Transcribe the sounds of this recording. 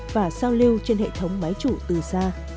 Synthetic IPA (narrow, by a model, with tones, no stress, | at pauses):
vaː˨˩saː˧wli˧wt͡ɕe˧nhḛ˧˨t̪ʰə˨˦wŋ͡mma˨˦jt͡ɕu˧˩t̪ɨ˨˩saː˧